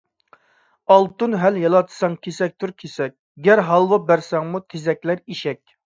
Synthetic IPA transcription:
ɑlˠt̪unɦæljɑlˠɑt̪ʰɨ̥sɑŋkʲʰesɛk̚ʲt̪ʰʊɾkʲʰesɛk̚ʲ | ɡʲæɾɦɑlˠwɑbæɾsɛŋmut̪ʰezɛkʲlæɾiʃɛkʲ

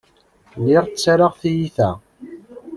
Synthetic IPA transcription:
lɪʁt͡sːaɾaʁθijiθæ̰

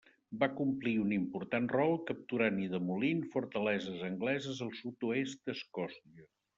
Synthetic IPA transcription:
bakumpliunimpuɾt̪anrɔlˠkəp̚t̪uɾaniðəmulinfuɾt̪əlɛzəzəŋɡlɛzəzəlˠsut̪uest̪̚d̪əskɔst̪iə

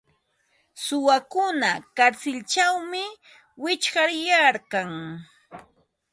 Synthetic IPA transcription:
sʊwakʊnakaɾsɪlt͡ʃawmɪ | wɪt͡ʃɢɑɾjaɾkaŋ

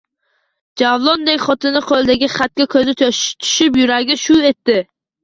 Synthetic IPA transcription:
d͡ʒavlˠɔnd̪ekʲχɔt̪ʰɪnɪqʰolˠd̪ɪɡʲɪχat̪̚kʲakʲʰɵzɪt̪t̪ʰʊ̥ʃɪpjʊɾaɾɡʲɪʃʊet̪ːɪ

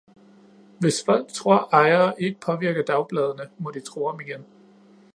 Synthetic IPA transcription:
ʋe̝sfɒl̰ɡ̥̚t͡sʰʁo̝ɐ̰ʔɑ̈ɪɐʔe̝ɡ̥əpʰɒ̽ʋiɐɡ̥əd̥ɑ̈ʊb̥lɛð̞ˠənəmɒ̽d̥it͡sʰʁoːɒ̽miɡ̥en

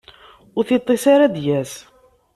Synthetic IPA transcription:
ʊɾθit̪ˤːesaɾad̪jæs

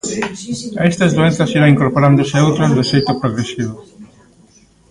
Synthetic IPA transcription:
aɛst̪ɐzðuenθɐsiɾaiŋkoɾpoɾand̪oseewt̪ɾozðosejt̪opɾoɣɾesiβo

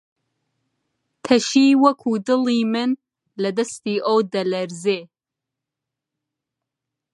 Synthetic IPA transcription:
tʰɐʃiːwɐkʷʰuːdɨliːmɨn | lɐdɐstiːʔowdɐlɐrzeː

